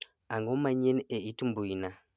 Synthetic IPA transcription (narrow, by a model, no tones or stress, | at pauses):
aŋɔmaɲeneitumbuina